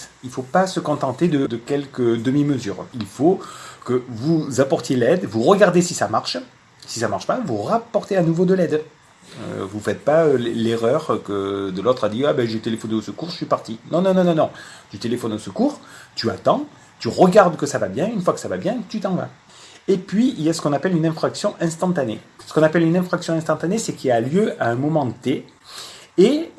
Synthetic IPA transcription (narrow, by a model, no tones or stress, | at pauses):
ilfopasəkɔ̃t̪ɑ̃t̪ed̪əd̪əkʲɛlkəd̪əmiməzy̰ʁilfokəvuzapɔʁt̪jelɛd̪vuʁəɡaʁd̪esisamaʁʃ | sisamaʁʃpavuʁapɔʁt̪eanuvod̪əlɛd̪ | ø̰vufɛt̪̚paøleʁœʁkəd̪əlɔt̪χad̪iabɛʒet̪elefɔneosəkuʁʒəsɥipaʁt̪inɔ̃nɔ̃nɔ̃nɔ̃nɔ̃t̪yt̪elefɔnosəkuːʁt̪yat̪ɑ̃ | t̪yʁəɡaʁd̪kəsavabjɛ̃ynfwakə̥savabjɛ̃t̪yt̪ɑ̃va̰ | epɥiiljasə̥kɔ̃napɛlynɛ̃fχaksjɔ̃ʔɛ̃st̪ɑ̃t̪anesə̥kɔ̃napɛlynɛ̃fχaksjɔ̃ɛ̃st̪ɑ̃t̪anesɛkialjøaɛ̃mɔmɑ̃ət̪e | e